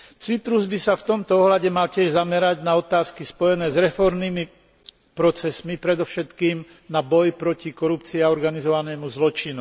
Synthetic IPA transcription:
t͡sipɾuzbisaft̪ɔmt̪ɔɔɦlaɟɛmalcɪɛʒzamɛɾaɟnaɔt̪aːskispɔjɛnɛːzɾɛfɔɾmniːmi | pɾɔt͡sɛsmipɾɛd̪ɔʊʃɛt̪kiːm | nabɔjpɾɔcikɔɾupt͡siːaɔɾɡanizɔʋanɛːmuzlɔt͡ʃinu

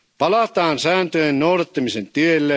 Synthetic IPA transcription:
pɑlɑt̪ɑːnsæːnt̪øjennowɾɑt̪ːɑmisent̪ielːe

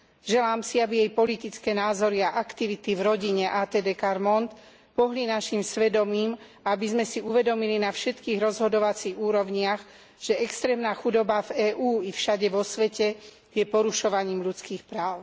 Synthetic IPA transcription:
ʒɛlaːmsiabijɛjpɔlit̪it͡skɛːnaːzɔɾiaʔakt̪iʋit̪ivɾɔɟiɲɛʔaːt̪ɛːd̪ɛkaɾmɔnt̪ | pɔɦlinaʃimsʋɛd̪ɔmiːm | aabizmɛsiuʋɛd̪ɔmilinafʃɛt̪kiːɣɾɔzɦɔd̪ɔʋat͡siɣuːɾɔʊɲɪaɣ | ʒ̥ɛɛkst̪ɾɛːmnaːxud̪ɔbavɛːʔuːifʃaɟɛʋɔsʋɛcɛ | jɛpɔɾuʃɔʋaɲiːmʎut͡skiːxpɾaːʊ

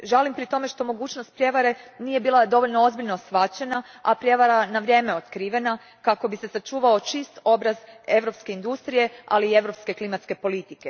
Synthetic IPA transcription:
ʒalimpɾit̪o̞me̞ʃt̪o̞mo̞ɡuːt͡ʃnost̪̚pɾje̞ʋaɾe̞niːje̞biːlˠad̪o̞ʋo̞ʎno̞o̞zbiʎnosʋat͡ɕe̞na | apɾje̞ʋaɾanaʋɾjeːme̞o̞t̪kɾiːʋe̞na | kako̞bise̞sat͡ʃuːʋao̞t͡ʃist̪o̞bɾaze̞ʋɾo̞pske̞ind̪ust̪ɾije̞a̰liːe̞ʋɾo̞pske̞klimat̪ske̞po̞lit̪ike

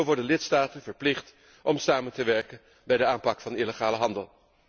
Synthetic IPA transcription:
ʋɔɹdənlɪtstaːtənvəɹplɪχt | ʔɔmsaːməntəʋɛɹkən | bɛjdəaːmpɑkfɑniləχaːləɦɑndəlˠ

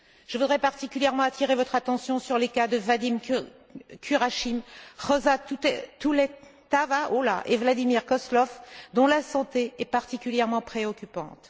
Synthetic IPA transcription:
ʒ̥əvud̪ʁɛpaʁt̪ikʲyljɛʁmɑ̃at̪ʰiʁevɔt̪χat̪ɑ̃sjɔ̃syʁlekad̪əvad̪im | kʲʰyʁaʃimʁɔzaut̪ulɛt̪avaʔolaʔevlad̪imiʁkɔslɔfd̪ɔ̃lasɑ̃t̪eɛpaʁt̪ikʲyljɛʁmɑ̃pχeɔkʲypɑ̰̃t̪

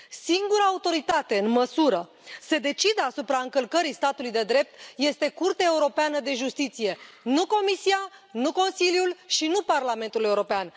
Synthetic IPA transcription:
siŋɡuɾəaut̪o̞ɾit̪at̪e̞ɨnməsuɾə | se̞d̪e̞t͡ʃid̪əasupɾaɨŋkəlkəɾist̪at̪ulujd̪e̞d̪ɾe̞p̚t̪je̞st̪e̞kurt̪eae̞uɾo̞peanəd̪e̞ʒust̪it̪sije̞ | nuko̞misianuko̞nsiljulʃinuparlame̞nt̪ule̞uɾo̞pean

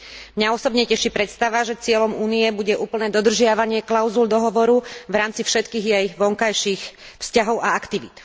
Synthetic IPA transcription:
mɲaɔsɔbɲɛcɛʃipɾɛt̪st̪aʋaʒɛt͡sɪɛlɔmuːniɛbuɟɛʔuːpl̩nɛːd̪ɔd̪r̩ʒɪaʋaɲɪɛklaʊzuld̪ɔɦɔʋɔɾuʋɾaːmt͡sifʃɛt̪kiːɣjɛjʋɔŋkajʃixfscaɦɔʊaakt̪iʋit̪

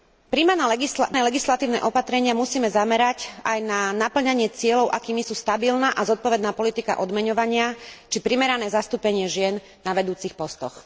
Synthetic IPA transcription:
pɾimanaɡisnɛːlɛɡislat̪iːʊnɛ̰ʔɔpat̪ɾɛɲɪamusiːmɛzamɛɾacajnanapl̩ɲaɲɪɛt͡sɪɛlɔʊʔakiːmisuːst̪abilnaːʔazɔt̪̚pɔʋɛd̪naːpɔlit̪ika̰ʔɔd̪mɛɲɔʋaɲɪat͡ʃipɾimɛɾanɛːzast̪uːpɛɲɪɛʒɪɛnːaʋɛd̪uːt͡sixpɔst̪ɔ̰x

